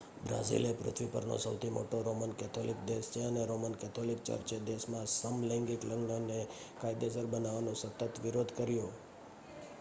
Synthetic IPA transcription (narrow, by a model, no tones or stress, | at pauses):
bɾa̰zḭlepɾʊ̰t̪ʰʋipə̰ɾno̰səwt̪ʰimo̰ʈoɾomənkɛt̪ʰolikd̪est͡ʃʰeəneɾomənkɛt̪ʰolik̚t͡ʃə̰ɾt͡ʃed̪esmãsəmlɛ̃ŋɡikləŋɡnəne | kajd̪esəɾbənaʋanõsət̪ət̪ʋiɾod̪ʱkəɾjõ